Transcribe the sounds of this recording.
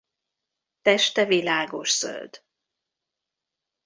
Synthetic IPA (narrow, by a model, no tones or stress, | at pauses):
t̪ɛʃt̪ɛvilaːɡo̞ʃsø̰ld̪̥